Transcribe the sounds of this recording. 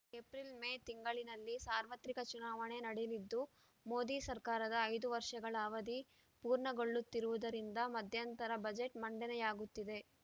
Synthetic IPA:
epɾilmeːt̪iŋɡɐɭinɐlːisaːɾʋɐt̪ɾikɐt͡ʃunaːʋɐɳe̞nɐɽelid̪ːu | mo̞ːd̪iːsɐɾkaːɾɐd̪ɐːjd̪uʋɐɾʂɐɡɐɭɐːʋɐd̪i | puːɾɳɐɡo̞ɭːut̪ːiɾuʋud̪ɐɾind̪ɐmɐd̪ʱjɐnt̪ɐɾɐbɐd͡ʒe̞ʈmɐɳɖɛnɛjaːɡut̪ːid̪e̞

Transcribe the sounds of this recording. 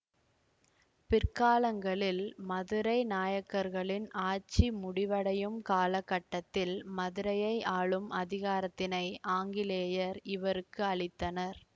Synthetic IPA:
pɪrkaːlɐŋɡɐɭɪlmɐðɯɾɐɪnaːjɐkːɐɾɣɐɭɪnaːɾt͡ʃimʊɽɪʋɐɽɐjɯmkaːlɐkːɐʈːɐt̪ːɪlmɐðɯɾɐjɐɪʔaːɭɯmɐðɪɣaːɾɐt̪ːɪnɐɪʔaːŋɡɪleːjɐɾɪʋɐɾɯkːɯɐɭɪt̪ːɐnɐɾ

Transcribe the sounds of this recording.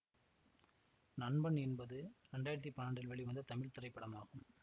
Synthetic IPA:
nɐɳbɐnɛnbɐðɯɾɛɳɖaːjɪɾɐt̪̬ːipːɐnaːɳɖrɪlʋɛɭiʋɐnd̪ɐt̪ɐmɪɭt̪ɪrɐɪpːɐɽɐmaːɣɯm

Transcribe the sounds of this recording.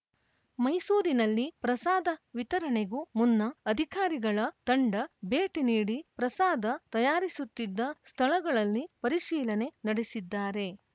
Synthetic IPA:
mɐjsuːɾinɐlːipɾɐsaːd̪ɐʋit̪ɐɾɐɳeɡumunːɐːd̪ʱikaːɾiɡɐɭɐt̪ɐɳɖɐbe̞ːʈiniːɽipɾɐsaːd̪ɐt̪ɐjaːɾisut̪ːid̪ːɐst̪ʰɐɭɐɡɐɭɐlːipɐɾiʃiːlɐne̞nɐɽesid̪ːaːɾe̞

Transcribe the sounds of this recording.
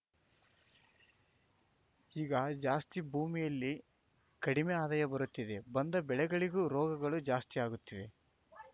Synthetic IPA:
iːɡɐd͡ʒaːst̪ibʱuːmijɐlːi | kɐɽimeaːd̪ɐjɐbɐɾut̪ːid̪e̞bɐnd̪ɐbɛɭɛɡɐɭiɡuɾɔːɡɐɡɐɭud͡ʒaːst̪iaːɡut̪ːiʋe̞

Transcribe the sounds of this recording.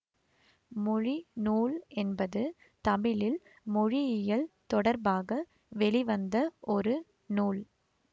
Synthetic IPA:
mɔɻinuːlɛnbɐðɯ | t̪ɐmɪlɪl | mɔɻɪɪjɐlt̪ɔɽɐɾbaːɣɐ | ʋɛɭɪʋɐnd̪ɐʔɔɾɯ | nuːl

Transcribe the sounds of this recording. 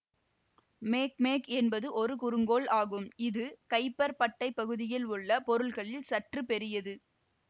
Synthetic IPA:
meːkmeːkɛnbɐðɯʔɔɾɯkʊɾɯŋɡoːɭaːɣɯmɪðɯkɐɪpːɐɾpɐʈːɐɪpːɐɣɯðɪjɪlʊɭːɐpɔɾɯɭɣɐɭɪlsɐʈrɯpɛɾɪjɐðɯ

